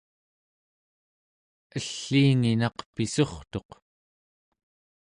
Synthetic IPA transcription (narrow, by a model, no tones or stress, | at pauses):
əɬːiːŋinɑqpiso̞χt̪o̞q